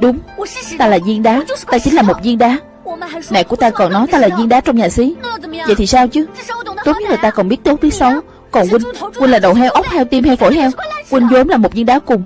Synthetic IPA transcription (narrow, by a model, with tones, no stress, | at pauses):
ɗʊ˨˦ŋ͡mt̪aː˧laː˨˩zi˧ənɗaː˨˦t̪aː˧t͡ɕï˨˦ŋ̟laː˨˩mo˨˩t̚zi˧nɗaː˨˦ | na̰˧˨jku˧˩ət̪aː˧kɔ˨˩nɔ˨˦jt̪aː˧laː˨˩zi˧ənɗaː˨˦t͡ɕɔ˧wŋ͡mɲaː˨˩si˨˦jvə̰˧˨jt̪i˨˩saː˧wt͡ɕɨ˨˦t̪o˨˦˥t̚ɲ̚˦˥laː˨˩t̪aː˧kɔ˨˩nɓi˦˥ət̪̚ːk͡p̚vi˦əsə˨˦w | kɔ˨˩nkwï˧ŋ̟kwi˧nlaː˨˩ɗə̰˨˩wɦɛ˧wʔə˦˥k͡p̚hɛ˧wt̪i˧mhɛ˧wfo̰˧˩jɦɛ˧wkwi˧ŋzo˨˦mlaː˨˩mo˨˩t̚zi˧nɗaː˨˦kʊ˨˩ŋ͡m